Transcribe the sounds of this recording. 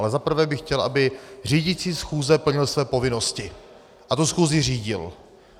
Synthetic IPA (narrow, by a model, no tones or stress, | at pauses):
lɛzapr̩vɛːbɪxcɛlʔabɪr̝iːɟɪt͡siːsxuːzɛpl̩ɲɪlsvɛːpo̞vɪno̞scɪ | ʔat̪usxuːzɪr̝iːɟɪ̰l